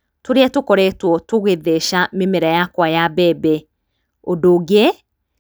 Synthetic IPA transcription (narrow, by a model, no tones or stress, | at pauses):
toɾeɛtokɔɾɛtwɔtoɣeðeʃamemeɾɛjakwajabɛbɛ | odoɡe